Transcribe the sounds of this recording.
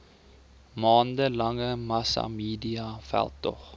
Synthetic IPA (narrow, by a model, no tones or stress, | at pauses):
mɑːndəlɐŋəmɐsɑ̰miːdiɑfæ̰lˠtɔ̰χ